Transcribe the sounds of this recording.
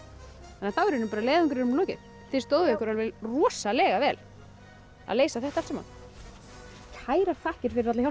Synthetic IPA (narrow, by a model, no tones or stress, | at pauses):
ɛnːaθawɛɾʏnʏmpaːɾaleːðʏŋkʏɾʏnʏmloːwcɪ̰ | θe̥st̪oːwðɪɛhkʏɾalvɛlrɔsalɛːɣavɛːl | a̰ðleːjsaθɛht̪ḁsɛma̰n | kʰaːjɾafahcɪɾ̥fɪɾɪɾvat̪lça